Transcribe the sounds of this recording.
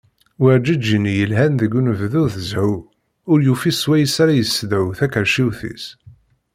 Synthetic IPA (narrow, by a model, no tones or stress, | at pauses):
wəʕd͡ʒəd͡ʒinijəlɦænðəɡːunəvðʊθəzʕʊ | ʊɾjufiswæjəsaɾajəsːd̪æwθækəɾʃiwθḭs